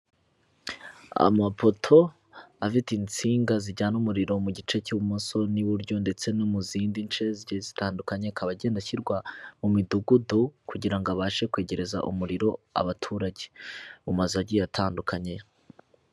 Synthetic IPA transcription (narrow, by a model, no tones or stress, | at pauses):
a̰mapo̞tʰo̞ | afitint͡siːŋɡaziɟaːnumuɾiɾo̞muɟit͡ʃe̞cuːβumoso̞niβuɾɟo̞nde̞t͡se̞numuziːndint͡ʃe̞ziɟezitaːndukaɲekʰaβaɟe̞ːndaçiɾɡwamumiduɡudukuɟiɾaŋɡoaβaːʃe̞kwe̞ːɟe̞ɾe̞za̰ʔumuɾiɾo̞a̰βatʰuːɾaɟeumazaɟiatʰaːndukaɲe̞